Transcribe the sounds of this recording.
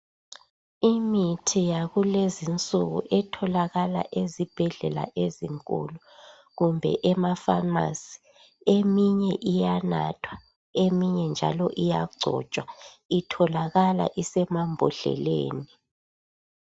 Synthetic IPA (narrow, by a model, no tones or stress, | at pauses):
imitʰijaɣulezint͡sʼuɣṵʔɛtʰɔlaɣala̰ʔezib̥ʱɛɮɛla̰ʔeziŋkʼṵlu | ɣumbʱɛ̰ʔɛmafama̰si̥ | emiɲɛʔijana̰tʰwa | emiɲɛnd͡ʒʱa̰lɔʔijaɡ͡ǀʱɔ̰t͡ʃʼwa | itʰɔlaɣala̰ʔisɛmambʱɔɬɛ̰lḛːni